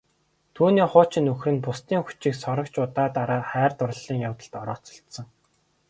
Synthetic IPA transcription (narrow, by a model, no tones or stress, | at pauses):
t̪ʰuːniːχʊːt͡ɕɪ̆nɵxrɘ̆npʊst̪iːŋxu̥t͡ɕĭːksɔɾə̆kt͡ɕʊt̪aːt̪aɾaːχæːrt̪ʊr̆ɮːiːŋjawt̪ə̆ɬt̪ɔɾɔ̰ːt͡sɞ̥̆ɬt̪sɞ̆ŋ